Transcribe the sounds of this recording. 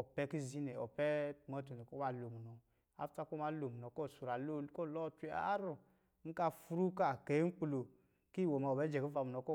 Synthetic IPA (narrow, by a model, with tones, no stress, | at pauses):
ɔ˨pɛ˦ki˦zi˦nɛ˨ɔ̰˨pɛ˦˨ma˦tu˨ne˨kɔ˦wa˦˨lo˨mu˨nɔ˨ | a̰˨fta˦kɔ˦˨ma˨˦lo˨mu˨nɔ˨˦kɔ˦˨su˨ɾa˨lo˦˨˦kɔ˦˨lɔ˦tʷe˦a̰˦ɾu˦˨ | ŋ̩˦ka˧fu˧ɾu˦ka˦˨ke˨˦ŋ̩˦k͡plo˨ | ki˦˨wo˨ma˧˨ɔ˨bɛ˨˦d͡ʒɛ˨ki˦va˧˨mu˨nɔ˨kɔ˦